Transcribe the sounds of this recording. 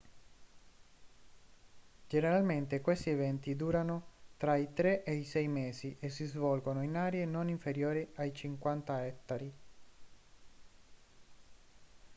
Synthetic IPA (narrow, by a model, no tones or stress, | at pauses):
d͡ʒeneɾalment̪ekwest̪ievɛnt̪id̪uːɾanot̪ɾait̪ɾeʔejsɛjmeːziʔes̬ːizvɔlɡonoinaːɾeenoniɱfeɾjoːɾiajt͡ʃiŋkwant̪aɛt̪ːaɾi